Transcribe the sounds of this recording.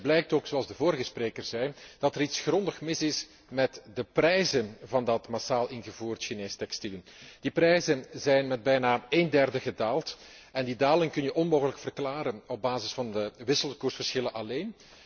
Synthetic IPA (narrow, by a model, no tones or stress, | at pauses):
blɛjk̚toːksoɑlˠzdəvoːɾəɣəspreːkərz̥ɛjd̥ɑtəɾitsxrɔndəxmɪsɪs | mɛtdəprɛjzənvɑndɑtmasaːlˠɪnɣəvuːrtʃineːstɛkstiləd̥iprɛjzənzɛjnmɛd̚bɛjnaːeːndɛrdəɣədaːlˠt | ɛndidaːlɪŋkɵnjəʔɔnmoːɣələkfərklaːɾənɔb̚baːzɪsfɑndəʋɪsəlˠkursfərsxɪlənʔɑleːn